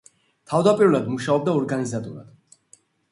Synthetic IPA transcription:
t̪ʰavd̪apʼiɾulˠad̪muʃaɔb̚d̪aɔɾɡanizat̪ʼuɾa̰d̪̥

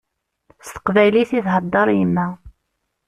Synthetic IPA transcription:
st̪ə̥qvæjliθiθɦəd̪ˤːɑɾˤjəmːæ

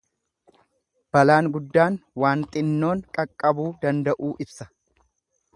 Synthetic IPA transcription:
b̥ɐlaːŋɡʊd̪ːaːnwaːnt̪ʼɪnːo̞ːŋkʼɐkʼːɐbuːd̪ɐnd̪ɐʔuːʔɪbsɐ̥

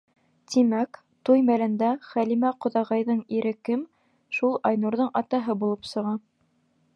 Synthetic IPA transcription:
t̪imæk | t̪ujmælɘ̆nd̪æχælimæqŏðɑʁɑjðɤɴiɾɘkɘm | ʃulˠɑjnuɾðɤɴʔɑt̪ɑɦɤbulˠɤpsɤ̆ʁɑ

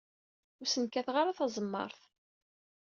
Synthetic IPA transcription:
ʊɾsənkæθʁaɾaθɑzˤəmːɑ̰ɾˤθ

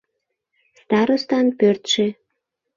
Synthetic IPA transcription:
st̪ɑɾost̪ɑnpørt̪ʃĕ

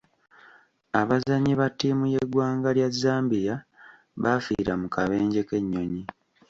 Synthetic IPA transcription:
aβazaɲiβatːiːmuje̞ɡwaːŋɡaljazːaːmbija | βafḭːɾamukaβe̞ːɲɟe̞ke̞ɲːo̞ɲi

